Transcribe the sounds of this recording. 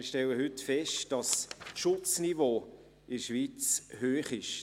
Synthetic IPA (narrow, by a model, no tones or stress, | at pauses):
ɪʃtɛlːəɦʏtfɛʃtd̥ɑsʃʊt͡snivoː | ɪdəʃʋiːt͡shøːχɪʃ